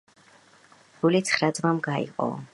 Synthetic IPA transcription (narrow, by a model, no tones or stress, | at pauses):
ɡ̥ulit̪sʰχɾad̪zmamɡaḭqʼɔ̰